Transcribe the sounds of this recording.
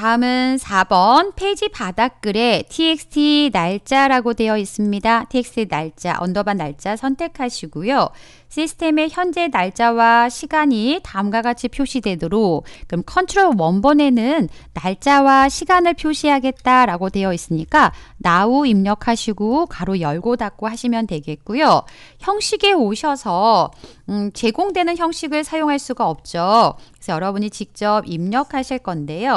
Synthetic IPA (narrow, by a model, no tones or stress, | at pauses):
taɯmɯnsʰabʌnpʰe̞id͡ʑipadak̚k͈ɯɾe̞tʰiek̚stʰinaɭt͡ɕ͈aɾaɡode̞jʌis͈ɯmɲidatʰiek̚s͈ʰinaɭt͡ɕ͈a̰ʔʌndʌbanːa̰ɭt͡ɕ͈asʰʌntʰe̞kʰaɕʰiɡujo | ɕ͈ʰisʰɯ̥tʰe̞me̞çjʌnd͡ʑe̞naɭt͡ɕ͈awaɕʰiɡaɲitaɯmɡaɡat͡ɕʰipʰjoɕʰidwe̞doɾokkɯɾʌmkʰʌntʰɯɾowʌnbʌne̞nɯnːaɭt͡ɕ͈awaɕʰiɡanɯɭpʰjoɕʰiɦaɡe̞t̚t͈aɾaɡote̞jʌis͈ɯmɲik͈anauimɲʌkʰaɕʰiɡokaɾojʌɭɡodak̚k͈ohaɕʰimjʌntwe̞ɡe̞t̚k͈ujo | çjʌŋɕ͈ʰiɡe̞oɕʰʌsʰʌ | t͡ɕe̞ɡoŋdwe̞nɯnçjʌŋɕ͈iɡɯɭsʰajoŋɦaɭs͈uɡaʌp̚t͡ɕ͈oe̥sʰʌjʌɾʌbuɲit͡ɕik̚t͡ɕ͈ʌbimɲʌkʰaɕʰiɭk͈ʌnde̞jo